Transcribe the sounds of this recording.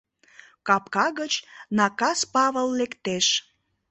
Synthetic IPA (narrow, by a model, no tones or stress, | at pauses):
kɑpkɑɣət͡ɕnɑkɑspɑβəlːekt̪eʃ